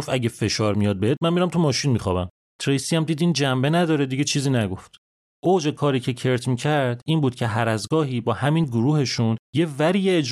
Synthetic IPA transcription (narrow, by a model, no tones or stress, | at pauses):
ofæɟefe̞ʃɒːɾmijɒːd̪̚beet̪̚mænmiɾæmt̪ʰumɒːʃinmixɒ̰ːbæm | t̪ʰɾejsiːjæmd̪iːd̪ind͡ʒæmbe̞næd̪ɒːɾed̪iɟe̞t͡ʃʰiːziːnæɡo̞ft̪ | ʔod͡ʒe̞kʰɒːɾiːcʰe̞cʰe̞ɾt̪ʰmiːcʰæɾd̪iːnbuːd̪̥̚cʰe̞ɦæɾæzɡɒːɦiːbɒːhæmiːnɡoɾuːhe̞ʃunjevæɾijeed͡ʒ